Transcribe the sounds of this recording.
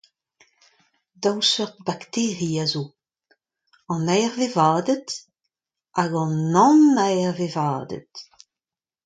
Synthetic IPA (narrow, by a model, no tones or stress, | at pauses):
dawsøʁt̪̚bakt̪eːʁiazo | ɑ̃nɛːʁvevaːdət | aɡɑ̃nːɑ̃nɛjʁvevaːdə̰t